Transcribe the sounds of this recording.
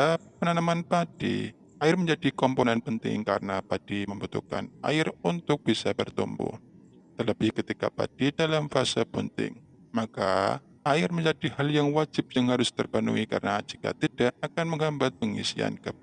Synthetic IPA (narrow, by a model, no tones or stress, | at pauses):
apənanamanpad̥ḭ | aɪrməɲd͡ʒadikɔmponɛnpənt̪ɪ̰ŋkaɾənapad̥iməmbut̪ṵka̰na̰ɪrunt̪ʊk̚b̥isabərt̪umbṵh | t̪ələbɪhkət̪ika̰pa̰d̥idalamfasapənt̪ɪ̰ŋ | maka̰ | aɪrməɲd͡ʒadihaljaŋwad͡ʒɪp̚jaŋhaɾʊst̪ərbanṵika̰ɾənaːt͡ʃi̥ka̰t̪id̥aʔakanməŋɦambat̪̚pəŋḭsia̰nkə